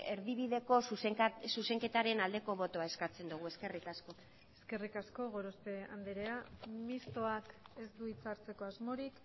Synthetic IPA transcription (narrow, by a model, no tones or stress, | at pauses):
eɾðiβ̞iðe̞ko̞susesuse̞ŋke̞t̪aɾe̞nald̪e̞ko̞β̞o̞t̪oae̞skat͡se̞nd̪uɣ̞ue̞ske̞rikasko̞ | eske̞rikasko̞ɣo̞ɾospe̞a̰nd̪eɾeamist̪o̞ake̞zd̪uit͡saɾt͡se̞ko̞azmo̞ɾik